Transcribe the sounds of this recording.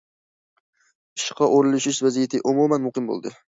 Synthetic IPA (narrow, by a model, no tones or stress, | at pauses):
ɪ̥ʃqʰɑʔoɾɪlɪʃɪʃvazijat̪ʰɪʔʊmumanmʊqɪmbo̰lˠd̪ɪ